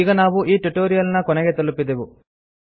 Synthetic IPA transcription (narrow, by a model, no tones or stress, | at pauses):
iɡɐnaːʋuʔiːʈuʈoːɾijɐlnɐkɔnɐɡet̪ɐlupːid̪eʋu